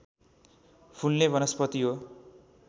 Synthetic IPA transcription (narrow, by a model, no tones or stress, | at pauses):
pʰunlebʱʌnʌspʌt̪iɦo